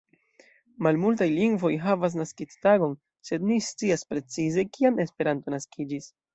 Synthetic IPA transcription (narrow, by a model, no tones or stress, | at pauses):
malmultajliŋɡvo̞jɦavas̬naskit͡staɡo̞n | se̞dnist͡siaspɾe̞t͡size̞kiane̞spe̞ɾanto̞naskʰid͡ʒis